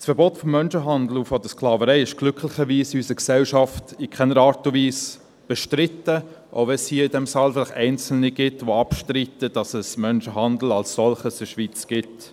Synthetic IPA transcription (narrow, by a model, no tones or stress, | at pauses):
sfəɾbɔtfɔmːœnʃəɦɑndl̩ufɔd̥əsklɑːvəɾɛɪɪʃɡ̥lʏkʰlɪχəɾʋiːsiysəksɛlʃɑftikʰɛnəɾɑːɾtuviːs | b̥ɛʃtɾɪtə | ʔo̰ʊʋɛnshiːidɛmsɑːlfɪlɪχɛɪnt͡sl̩niɡ̥ɪtʋoɑpʃtɾitəd̥ɑsəsmœnʃəɦɑndl̩ɑlssɔlχəsəʃʋit͡sɡ̥ɪt